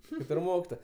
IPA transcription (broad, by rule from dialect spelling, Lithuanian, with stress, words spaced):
ˈkɐɪp ɪr ˈmoːkʲɪtoːjɛ